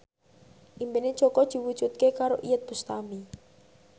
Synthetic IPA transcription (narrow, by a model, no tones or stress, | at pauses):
ʔimbened̥ʒ̥okɔd̪̥i̤wud̥ʒ̥ut̪̚kekaɾoʔijət̪̚b̥ust̪ami